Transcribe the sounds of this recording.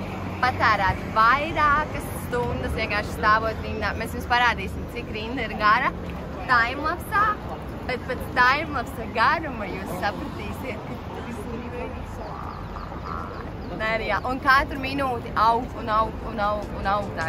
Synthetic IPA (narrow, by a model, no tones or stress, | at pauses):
pat̪aːɾaːt̪vajɾaːkɐsːt̪und̪əsʋʲeɛŋɡaːʃst̪aːʋoɔt̪ɾind̪aːmesjuːspaɾaːd̪iːsɪmt̪sikɾind̪ɐiɾɡaɾɐ | d̪ajmlˠaksaː | b̥ɛt̪̚pat̪sd̪ajmlˠaksaɡaɾumajuːsːapɾɐt̪iːsiɛt̪̚kat̪at̪isiniɾɛjd̪iks | a̰ | naɾjaːʔunkat̪ɾminuːt̪iʔawɡt̪unawkunawɡunawkt̪aː